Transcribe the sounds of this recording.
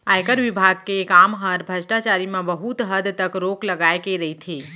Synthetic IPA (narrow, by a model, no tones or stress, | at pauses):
ajkəɾʋɪbʱaɡ̚keːkamɦəɾbʱəd͡ʒʈat͡ʃaɾimãbəɦut̪ɦəd̪t̪əkɾokləɡajkeɾəɦit̪ʰi